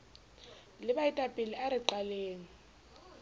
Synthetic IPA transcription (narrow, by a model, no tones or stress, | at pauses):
lɪɓaitʼapʼiliaɾiǃaleːŋi